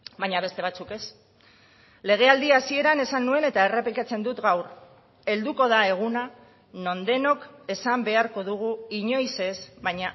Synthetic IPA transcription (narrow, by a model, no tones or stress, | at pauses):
baɲaβ̞e̞st̪e̞β̞at͡suke̞s | le̞ɣ̞e̞ald̪iasie̞ɾane̞sanːue̞ne̞t̪ae̞repikat͡se̞nd̪ut̪ɡawɾ | e̞ld̪uko̞ð̞ae̞ɣ̞una | no̞nd̪e̞no̞ke̞sambe̞aɾko̞ðuɣ̞uiɲo̞jse̞sβajɲa